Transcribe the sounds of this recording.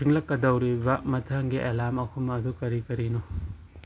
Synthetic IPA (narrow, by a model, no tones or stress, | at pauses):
iŋlɐkːɐdɐwɾibɐmɐtʰɐŋɡiʔelamɐkʰumɐːdukɐɾikɐɾinu